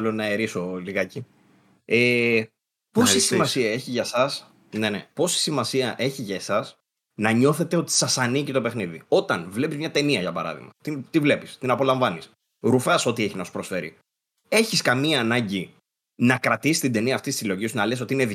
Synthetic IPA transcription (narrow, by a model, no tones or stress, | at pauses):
lonɐeɾisoliɣɐci | e | po̞sisimɐsiɐe̞çiʝɐsɐs | ne̞nepo̞si̥simɐsiɐʔe̞çiʝɐsɐs | nɐɲo̞θe̞t̪eo̞t̪i̥sɐsɐnicit̪o̞pe̞xniðḭo̞t̪ɐnvle̞pizmɲɐt̪e̞niɐʝɐpɐɾɐ̰ðḭɣmɐ̰t̪it̪ivle̞pist̪inɐpo̞lɐɱvɐnis | ɾufɐso̞t̪ie̞çinɐsu̥pɾo̞sfe̞ɾḭ | e̞çiskɐmiɐːnɐɲɟi | nɐkɾɐt̪isi̥st̪ind̪e̞niɐːft̪ist̪isilo̞ʝisunɐles̬o̞t̪iineð